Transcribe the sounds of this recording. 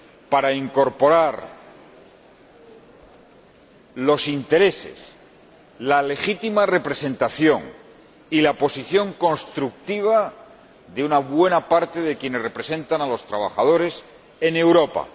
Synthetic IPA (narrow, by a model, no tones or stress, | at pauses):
paɾaiŋko̞ɾpo̞ɾaɾ | lo̞sint̪e̞ɾe̞se̞̰s | lale̞xit̪imare̞pɾe̞se̞nt̪aθjo̞ŋ | ilapo̞siθjo̞ŋko̞nst̪ɾuk̚t̪iβ̞a | ðeunaβwe̞napaɾt̪e̞ðe̞kje̞ne̞sre̞pɾe̞se̞nt̪analo̞st̪ɾaβ̞a̰χaðo̞ɾe̞s | e̞ne̞wɾo̞pa̰